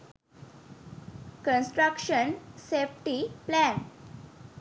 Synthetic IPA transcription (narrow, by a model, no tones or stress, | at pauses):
kə̃nsʈɾəkʃənsefʈiplɛ̃n